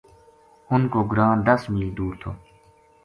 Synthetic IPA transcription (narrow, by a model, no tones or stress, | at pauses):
ʊnkoːɡɾãːd̪ɐsmiːld̪uːɾt̪ʰo̰ː